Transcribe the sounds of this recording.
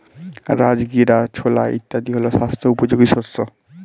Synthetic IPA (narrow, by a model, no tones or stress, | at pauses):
ɾad͡ʑɡiɾat͡ɕʰola̰ḭt̪ːad̪iɦoloʃast̪ʰoupod͡ʑoɡiʃoso